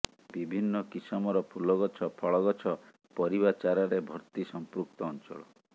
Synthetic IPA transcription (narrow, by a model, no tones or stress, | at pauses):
bibʱinːɔkisɔmɔɾɔpʰulɔɡɔt͡ʃʰɔpʰɔɭɔɣɔt͡ʃʰɔ | pɔɾibat͡ʃaɾɔɾebʱɔɾt̪isɔmpɾuk̚t̪ɔːnt͡ʃɔ̰ɭɔ̰